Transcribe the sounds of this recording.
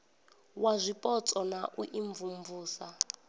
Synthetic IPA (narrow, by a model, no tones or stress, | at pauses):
wazʷipʼɔt͡sʼɔnaʔuʔiɱvumvuːsa